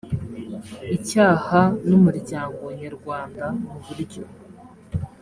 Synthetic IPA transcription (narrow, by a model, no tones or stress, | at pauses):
icaːhanumuɾɟaːŋɡo̞ɲaɾɡwaːndamuβuɾɟo̰